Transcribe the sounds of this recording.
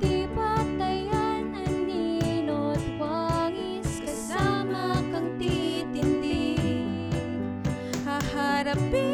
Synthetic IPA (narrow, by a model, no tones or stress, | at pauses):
t̪ipat̪ajananːinot̪waŋi | skɐsamakɐŋt̪it̪ind̪i | hahaɾapi